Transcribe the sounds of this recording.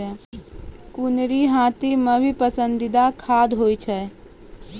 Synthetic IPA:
ɛ | kunɾiɦãt̪iməbʱipəsə̃nd̪id̪akʰaːd̪ɦoit͡ʃʰɛ

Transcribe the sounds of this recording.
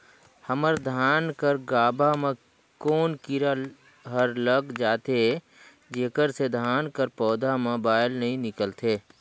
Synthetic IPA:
həməɾd̪ʱaːnkəɾɡaːbʱamẽ | koːnkɪɾa | ɦəɾləɡd͡ʒaːt̪e | d͡ʒeːkəɾsed̪ʱaːnkəɾpɔːd̪ʱamẽbaːɪlnəɦĩnɪkəlt̪eː

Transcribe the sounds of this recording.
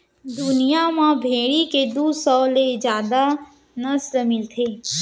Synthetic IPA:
d̪ʊnijamãbʱeːɽiked̪uːsɔːled͡ʒjaːd̪a | nəslmɪlt̪ʰeː

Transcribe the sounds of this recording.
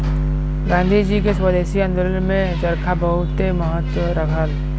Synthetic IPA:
ɡãːnd̪ʱid͡ʒikeswəd̪eːʃiɐ̃nd̪ʊlənmẽd͡ʒɐɾkʰabɐɦʊt̪eməɦət̪wəɾɐkʰəl

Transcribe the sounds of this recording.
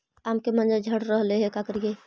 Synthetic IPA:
amkemənd͡ʒad͡ʒʱəɽɾəɦleɦɛkakəɾje

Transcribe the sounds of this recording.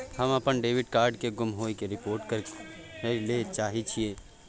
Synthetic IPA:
hɐmɐpənɖeːʋɪɖkaːɾɖkeɡʊmɦoːikeɾɪpoːɾʈkəɾ | let͡ʃaːɦit͡ʃʰieː

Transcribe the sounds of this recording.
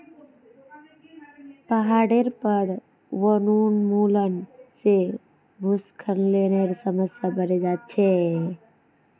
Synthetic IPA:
pəɦaɽeɾpəɾ | wənunmulənse | bʱuskʰənleneɾsəməsjabəɾed͡ʒat̪̚t͡ʃʰe

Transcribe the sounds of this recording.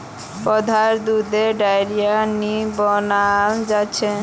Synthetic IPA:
pɔd̪ʱaɾd̪ud̪eɖajɾianibɔnad͡ʑat͡ɕʰe

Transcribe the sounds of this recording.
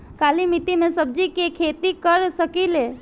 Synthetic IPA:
kaːlimit̪imẽsəb̚d͡ʒikekʰeːt̪ikəɾsəkileː

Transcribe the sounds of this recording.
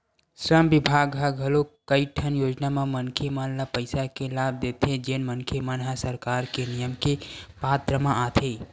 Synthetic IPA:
sɾəmbibʱaɡɦaɡɦəlokəiʈʰənjod͡ʒnamemənkʰemənlapəɪsakelab̚d̪et̪ʰed͡ʒenmənkʰemənɦasəɾkaɾkenijəmkepat̪ɾəmaʔat̪ʰe

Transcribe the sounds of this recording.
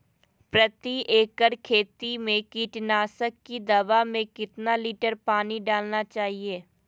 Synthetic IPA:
pɾət̪iʔeːkəɾkʰeːt̪imẽkiːʈnaːsəkːid̪ɐʋamẽkɪt̪naliːʈəɾpaːniɖaːlnat͡ʃaːɦieː

